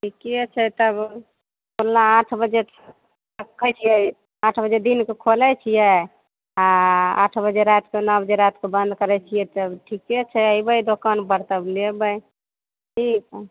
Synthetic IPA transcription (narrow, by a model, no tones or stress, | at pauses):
ʈʰikiət͡ʃʰɛt̪əb | kollaãʈʰbəd͡ʒe | kʰət͡ʃʰijɛ | ãʈʰbəd͡ʒed̪inkekʰolɛt͡ʃʰijɛ | aa̰ʈʰbəd͡ʒeɾat̪kenəbd͡ʒeɾat̪kebə̃nd̪kəɾɛt͡ʃʰijɛt̪əbʈʰikiət͡ʃʰɛəjbəjd̪okanpəɾt̪əblebəj | ʈʰik